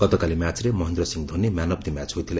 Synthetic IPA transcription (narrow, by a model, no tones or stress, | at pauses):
kʌt̪ʌkalimjat͡sremʌɦend̪rʌsiŋd̪ʱonːimanʌb̚d̪imat͡sɦojt̪ʰile